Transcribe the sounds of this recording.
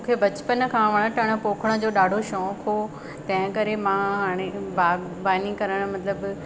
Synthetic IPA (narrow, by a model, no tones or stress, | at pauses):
ũːkʰebɐt͡ɕpənkʰãʋɐɽ̃əʈʰɐɽ̃ə̆poːkʰəɽ̃ə̆d͡ʑoːɗaːɖʱoʃɔːkɦo | t̪ɐ̃ɦɪ̃kɐɾemãɦaːɽ̃ebaːɡ | baːnikɐɾəɽ̃̆mɐt̪ləb